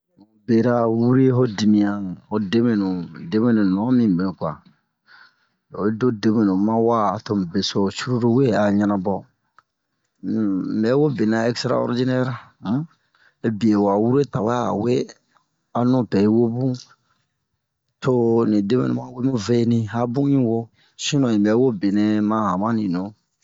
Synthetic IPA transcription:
nũ˨be˨ɾa˦wu˦ɾe˦ɦo˦di˨mĩ˨ã˨ho˦de˦me˨nũ˨de˦mẽ˦nũ˨nɔ̃˨˦mĩ˨be˨nũ˨kʷa̰˨˦ | do˦de˦mẽ˨nũ˨˦mã˦wa˦˨to˨m˨be˨so˨t͡ʃu˦ɾu˦ɾo˦we˦a˨ɲã˦nã˨bɔ˦˨ | bɛ˨˦wo˦be˨nã˨ɛ˦kstɾa̰˦ɔ̰˦ɾd͡ʒi˦nɛ˦ɾ | bi˨e˨wa˨wu˦ɾe˦ta˨we˦a˦a̰˨we˦ | a˨nũ˦pɛ˨i˦wo˦bũ˦ | to˦nĩ˨de˦mḛ̃˨nṵ̃˨mã˦we˦mĩ˦ve˦nĩ˦a˦bũ˦ɲĩ˦wo˦ | sĩ˦nɔ̃˨ĩ˨mbɛ˨˦wo˦be˨ne˦mã˦a˨mã˦nĩ˨nõ˨˦

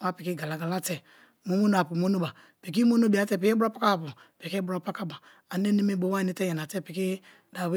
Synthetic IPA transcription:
a˦pi˨ki˦ɡa˨la˨ɡa˨la˦tɛ˨ | mo˨˦mo˦n˨a˨pu˨mo˦no˦ba˨ | pi˨k̬i˦mo˦no˦bi˨a˦tɛ˦p̬i˨ke˦bu˦ɾɔ˦pa˦ka˦˨pu˨ | pi˨ke˦bu˦ɾɔ˦pa˦ka˦ba˨ | a˨n˦e˦ne˦me˦bo˦wa˦˨˦ni˦tɛ˦jɛ˨na˨tɛ˦pi˨ki˦ | da˨we˦

